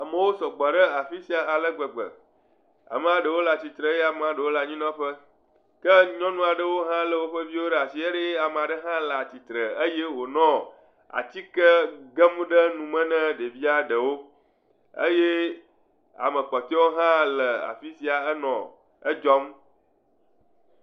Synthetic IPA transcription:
a˨mə̃˨wo˦sɔ˨ɡ͡ba˨ɖə˦a˨fi˦si˦a˨a˨lə˦ɡ͡bə˨ɡ͡bə̰˨ | a̰˨mə˨a˨ɖə˨wo˦la˨t͡ɕi˨t̪ɾə˨˦e˦a˨me˨a˨ɖə˨wo˦la˨ɲĩ˦nɔ̃˦ɸə˦ | kə˦ɲɔ̃˦nũ˦a˨ɖə˦wo˦ɦã˦lə˦wo˦ɸə˦vi˦wo˦ɖə˦a˨si˨˦e˦ɖe˦a˨me˨a˨ɖə˦ɦã˦la˨t͡ɕi˨t̪ɾə˨ə˦je˦wo˨nɔ̃˦ | a̰˨t͡ɕi˦kə˦ɡə˦m˦ɖə˦nũ˨mɛ̃˦nɛ̃˦ɖe˨vi˦a˦ɖə˨wo˦ | ə̰˦je˦ | a̰˨mə̃˨k͡pɔ˨t̪ɔ˦wo˦ɦã˦lə˨a̰˨fi˦si˦a˨ə˦nɔ̰̃˨ | ə˦d͡ʒɔ˦m

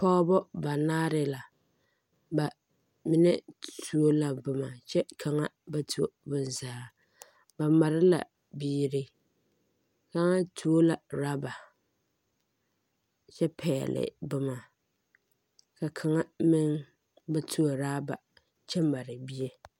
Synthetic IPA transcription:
pɔː˦bɔ˦ba˨naː˦ɾɪ˦la˨ | ba˨ | mɪ˨nɛ˦tʰu˨˦o˦la˨bʊ˨ma˨t͡ʃɛ˦kʰa˨ŋa˦ba˦tʰu˦o˦˨bʊ˦n˨zaː˦ | ba˨ma˨ɾɪ˦la̰˨ | biː˦ɾɪ˦ | ka˦ŋa˦tʰu˨o˦la˨ɾaː˦ba˨ | t͡ʃɛ˦pʰɛ̰ː˨lɪ̰˨bʊ˦ma˨ | ka˨kʰa˨ŋa˦mɪ˦ŋ | ba˦tʰu˦o˨ɾaː˦ba̰˨ | t͡ʃɛ˦ma˨ɾɪ˨bi˦e˦

